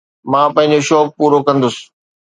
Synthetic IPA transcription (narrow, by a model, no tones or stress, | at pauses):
mãːpɐ̃ɦɪ̃ɲ̆d͡ʑoʃɔːk̚puːɾokɐ̃nd̪ʊsɪ̥̆